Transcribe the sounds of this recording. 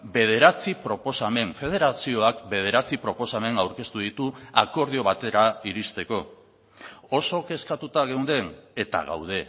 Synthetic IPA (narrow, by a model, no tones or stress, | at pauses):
be̞ð̞e̞ɾat͡sipɾo̞po̞same̞ɱfe̞ð̞e̞ɾasio̞akbe̞ð̞e̞ɾat͡sipɾo̞po̞same̞nawɾke̞st̪uð̞it̪uako̞ɾð̞io̞β̞at̪e̞ɾaiɾist̪e̞ko̞ | oso̞ke̞skat̪ut̪aɣewnd̪e̞net̪a̰ɣa̰wðe̞